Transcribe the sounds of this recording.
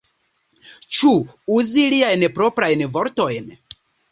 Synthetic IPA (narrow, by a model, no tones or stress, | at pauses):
t͡ʃuuziliajnpɾo̞pɾajnvo̞ɾto̞jn